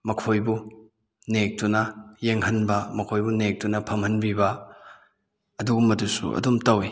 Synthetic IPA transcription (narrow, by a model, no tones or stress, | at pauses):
mɐkʰojbu | nek̚tunɐjeŋɦɐnbɐmɐkʰojbunek̚tunɐpʰɐmhɐnbibɐ | ɐduɡumːɐdusṵɐ̰dumtɐwi